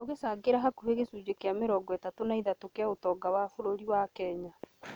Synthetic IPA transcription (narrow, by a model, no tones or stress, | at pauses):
oɣesaːɡeɾaɦakuheɣesuːd͡ʒekeameɾɔːɡɔɛtatonaiðatokeaotɔːɡawafoɾoɾiwakɛɲa